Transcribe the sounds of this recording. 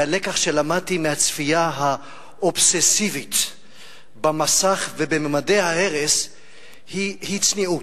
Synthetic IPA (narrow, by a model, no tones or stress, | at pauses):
alekaχʃelamad̚t̪imehat͡sfiaɦa | ʔobsesivit̪ | bamasaχvebememadejhaeʁes | hihit͡sniu